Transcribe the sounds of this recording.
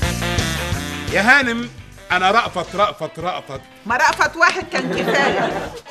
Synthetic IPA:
jaːɦaːnɪm | ʔanaɾˤɑʔfɑt̪ɾˤɑʔfɑt̪ɾˤɑʔfɑt̪ | mɑɾˤɑʔfɑt̪waːħɪd̪̚kænkɪfaːl

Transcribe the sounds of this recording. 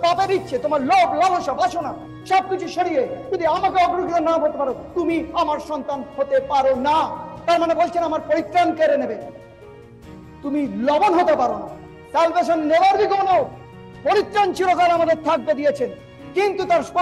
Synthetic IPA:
paped̪itːɕʰet̪omaɾloblaloʃabaʃʰona | ʃɔb̚kit͡ɕʰuʃoɽied͡ʒud̪iamakeɔɡɾuɡit̪onaɦoɾt̪epaɾot̪umiamaɾʃɔnt̪anhot̪epaɾonat̪aɾmanebolt͡ɕʰenamaɾpoɾit̪ɾankeɾenebe | t̪umilɔbonɦot̪epaɾona̰ | salbeʃonːebaɾbiɡoonoo | poɾit̪ːɾant͡ɕiɾokalamad̪eɾt̪ʰak̚bed̪ijet͡ɕʰen | kint̪ut̪aɾspɔ

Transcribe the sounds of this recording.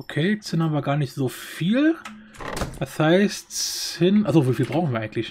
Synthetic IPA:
ʔokʰeːsɪnaːbɐɡaːɐnɪçtz̥oːfiːl | d̥ashaɪstɪnʔalzoviːfiːlbʁaʊn̩viːɐaɪɡŋtlɪç

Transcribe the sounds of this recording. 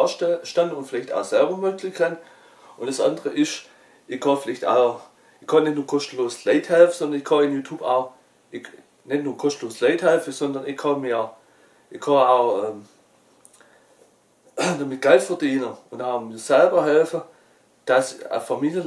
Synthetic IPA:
ʃtandəʊntfɪlaɪçta̰ʊsɛlbɐmøːkʰlɪkʰan | ʊnd̥əsʔa̰ndəʁəʔɪʃ | ʔɪçkʰɑfɪlaɪçta̰ʊ | ɪkʰːɑːnɛtnuːɐkʰɔstəloːslaɪthɛlfəsɔndɐnɪçkʰɑɪnjuːtʰuːba̰ʊ | ʔɪç | nɛtnuːɐkʰɔstəloːslaɪthɛlfəsɔndɐnɪçkʰɑmiːɐ | ʔɪçkʰɑaʊʔɛːm | d̥amɪt̚ɡ̥ɛltfɛɐdiːnəʊntaʊmiːɐzɛlbɐɦɛlfə | d̥asə̰famiːljən

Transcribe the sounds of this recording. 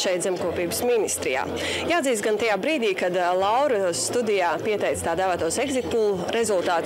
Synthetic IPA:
ʃɛjt̪zɛmkuɔpiːbəsminist̪ɾija̰ː | jaːd̪ziːsɡant̪ajaːbɾiːd̪iːkad̪lˠawɾust̪ud̪ijaːpiɛt̪ɛjt̪st̪aːd̪aːvaːt̪uɔsɛɡzit̪̚pulˠuɾezulˠt̪aːt̪

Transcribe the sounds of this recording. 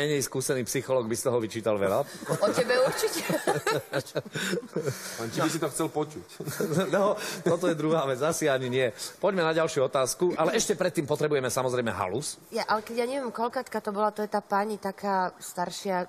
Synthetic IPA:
ɛɲɛjskuːsɛniːpsixɔlɔːɡ̚bist̪ɔɦɔʋit͡ʃiːt̪alʋɛlaɔtɛbɛuɾt͡ʃicɛ | ant͡ʃibis̬it̪ɔxt͡sɛlpɔt͡ʃucnɛt̪ɔt̪ɔjɛd̪ɾuɦaːʋɛd͡zasiaɲiɲɪɛpɔɟmɛnaɟalʃɪuɔt̪aːskuʔalɛɛʃcɛpɾɛt̪ːiːmpɔt̪ɾɛbujɛmɛsamɔzɾɛɪmɛɦa̰lusjaʔalɛkɛɟjaɲɛʋjɛmkɔlkaːt̪kat̪ɔbɔlat̪ɔjɛt̪aːpaɲit̪akʰaːst̪aɾʃɪa

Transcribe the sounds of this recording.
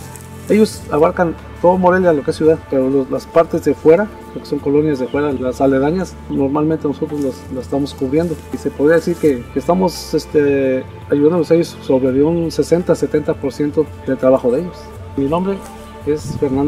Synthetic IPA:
e̞ʝo̞saβaɾkan | t̪o̞ðomo̞ɾelealokeesjuðaðpe̞ɾololaspaɾt̪e̞zðefwe̞ɾa | poɾkeso̞ŋko̞lo̞njazðefwe̞ɾalasale̞ðaɲas | no̞ɾmalment̪e̞noso̞t̪ɾozlaslase̥st̪amo̞skuβɾje̞nd̪oise̞poðɾiaðe̞siɾkekeːst̪amo̞sest̪e | aʝuðand̪olosejosːo̞βɾeðeunse̞se̞nt̪ase̞t̪e̞nt̪apo̞ɾsje̞nt̪o | ðe̞lt̪ɾaβaxo̞ðee̞ʝo̞s | minõ̞mbɾe̞ | e̞sfe̞ɾnand̪o

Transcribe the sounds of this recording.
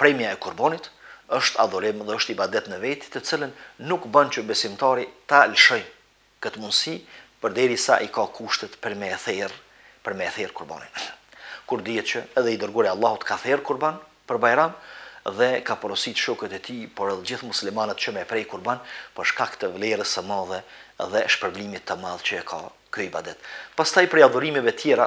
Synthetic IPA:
pɾɛmjaɛkuɾbanit̪əʃt̪a̰d̪ɔɾimðɛɔʃt̪ibad̪ɛt̪nəvɛt̪i̥t̪ət͡silənːukbant͡ʃəbɛsimt̪ɑɾit̪alʃɔj | kət̪əmund̪sipəɾd̪ɛɾisa̰ʔikakʰuʃt̪ɛt̪pəɾmɛθɛɾ | pəɾmɛθɛɾkuɾba̰ninkuɾd̪iɛt̪t͡ʃəɛðɛid̪əɾɡɔɾjalˠːɑhut̪kʰaθɛɾkuɾban | pəɾbajɾamðɛkapɾɔsit̪ʃɔkət̪ɛt̪ipɔɾɛlˠd͡ʑiθmuslimanət̪t͡ʃəmɛpɾɛjkuɾbanpəɾʃkakt̪əvlɛɾəsəmaðɛðɛʃpəɾblimit̪ːəmaðt͡ʃəɛkʰa | kyibad̪ɛt̪past̪ajpɾɛjaðuɾimɛvɛt̪jɛɾa

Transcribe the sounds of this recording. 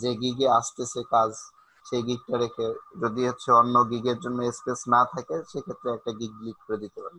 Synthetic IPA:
d͡ʑeɡiɡeaʃt̪eʃekad͡ʑ | ʃeɡiɡ̚ʈaɾekʰed͡ʑod̪iɦotːɕʰeonːoɡiɡeɾd͡ʑonːoespesnat̪ʰakeʃekʰet̪ːɾeɛk̚ʈaɡiɡ̚ːiɡ̚pɾed̪it̪epae

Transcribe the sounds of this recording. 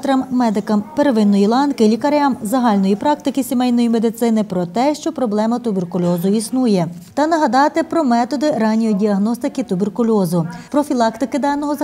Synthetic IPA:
t̪ɾɐmːɛd̪ɪkɐmpeɾeʋɪnːɔjilˠɑnkɪlʲikɐɾʲamzɐɦɑlʲnɔjipɾɑk̚t̪ɪkɪsʲimɛjnɔjimed̪ɪt̪sɪnɪpɾɔt̪ɛʃt͡ʃɔpɾɔblˠɛmɐt̪ʊbʲerkʊlʲɔzʊisnujɛt̪ɐnɐɦɐd̪ɑt̪ɪpɾɔmɛt̪ɔd̪ɪɾɑnʲːijidʲiɐɦnɔst̪ɪkɪt̪ʊberkʊlʲɔzʊpɾɔfʲilˠɑkt̪ɪkɪd̪ɑnɔɦɔzɐ

